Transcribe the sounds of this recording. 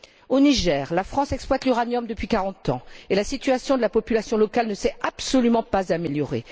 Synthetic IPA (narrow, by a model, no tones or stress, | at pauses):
oniʒɛːʁlafχɑ̃sɛksplwat̪lyʁanjɔmd̪əpɥikaʁɑ̃t̪ɑ̃elasit̪yasjɔ̃d̪əlapɔpylasjɔ̃lɔkalnəsɛapsɔlymɑ̃pazameljɔʁḛ